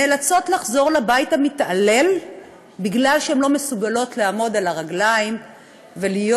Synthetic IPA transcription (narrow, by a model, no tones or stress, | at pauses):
nelat͡so̞tlaχzo̞ʁlabajithamitale̞l | biɡlalʃehemlo̞mesuɡalo̞tleamo̞dalaʁaɡlaim | velijo